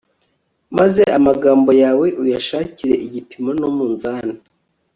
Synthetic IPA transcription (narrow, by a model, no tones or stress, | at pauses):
maze̞amaɡaːmbo̞jaːweʔujaʃaːciɾe̞ʔiɟipimonomuːnzaːna